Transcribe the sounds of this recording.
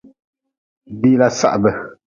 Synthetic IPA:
bi˦la˦˨sa̰˦˨ʔbə˨

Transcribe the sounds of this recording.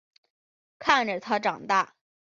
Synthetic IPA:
kʰa˥˩nʈ͡ʂə˩t̪ʰa˥ʈ͡ʂɑ˨˩ŋt̪a˥˩

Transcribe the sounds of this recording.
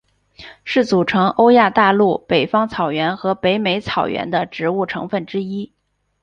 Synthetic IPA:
ʂɻ̩˥˩t͡su˨˩ʈ͡ʂʰɤ˧˥ŋʔo˥ʊja˥˧t̪a˥˧lu˥˩pe˨˩ɪfɑ˥ŋt͡sʰɑ˨˩ʊɥɛ˧˥nxɤ˧˥pe˧˥ɪme˧˥ɪt͡sʰɑ˨˩ʊɥɛ̰˧˥nd̪ə˧ʈ͡ʂɻ̩˧˥u˥˩ʈ͡ʂʰɤ̰˧˥ŋfə˥˩nʈ͡ʂɻ̩˥i˥

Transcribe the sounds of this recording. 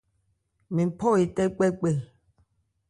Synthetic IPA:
mĩ˨pʰɔ˦˨i˨tɛ˦k͡pɛ˦k͡pe˦˨

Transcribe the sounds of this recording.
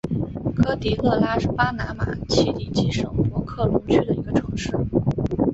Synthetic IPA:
kʰɤ˥t̪i˧˥lɤ˥˩la˥ʂ̩˥˩pa˥na˧˥ma̰˨˩t͡ɕʰi˥˩li˧˥˩t͡ɕi˧˥ʂɤ˨˩ŋpwɔ˧˥kʰɤ˥˩lu˧˥t͡ɕʰy˥d̪ə˨i˧˥ɡə˧ʈ͡ʂʰɤ˧˥ŋʂɻ̩˥˩

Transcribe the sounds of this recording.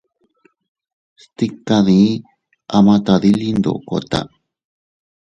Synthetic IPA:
st̪i˦ka˧ði˨˧˦ | a˧mã˧t̪a˧ði˦li˦nd̪o̰˨ko˨t̪a̰˧

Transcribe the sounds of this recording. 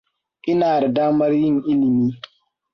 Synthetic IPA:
ʔɪ˦naː˨da˨daː˦mɐ˦rjɪ˦˨ŋʔɪ˦lɪ˨miː˦

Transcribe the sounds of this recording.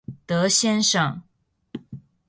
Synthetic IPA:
t̪ɤ˧˥ɕjɛ˥nʂɑ˥˩ŋ

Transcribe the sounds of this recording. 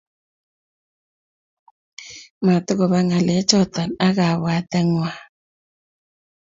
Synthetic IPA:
ma˨tʊ˦ɣɔ˨βa˦ŋa˨le˨˦t͡ʃɔ˦˨tɔ˨na˦ɣa˨βwa˨tɛ˦ŋwa˦˨

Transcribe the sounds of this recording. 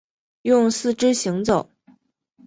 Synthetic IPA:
jʊ˥˧ŋsɹ̩˥˩ʈ͡ʂɻ̩˥ɕi˧˥ŋt͡so˨˩˦ʊ

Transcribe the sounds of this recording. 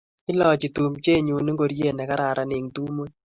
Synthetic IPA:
ɪ˦lɔ˦t͡ʃi˨tu˨mt͡ʃe˦ɲu˨ni˦ŋɡo˨ɾje˦˨nɛ˨ka˦ɾa˨ɾa˨˦nɪ˨ŋtu˦mo˦ɲ

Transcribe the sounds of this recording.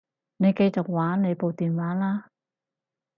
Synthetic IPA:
ne˨˧jke˧jt͡sʊ˨k̚waː˨˥nne˨˧jpo˨˧wt̪iː˨nwaː˨˥laː˥

